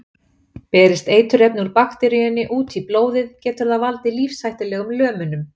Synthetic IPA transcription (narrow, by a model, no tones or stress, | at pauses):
pɛːɾɪst̪eːjt̪ʏɾɛpnuɾpaxt̪ɛɾijʏnːɪʔuːt̪ʰiploːwðɪðcɛːt̪ʏɾðavalt̪ɪliːfsajht̪ɪlɛːɣʏmlœːmʏnʏm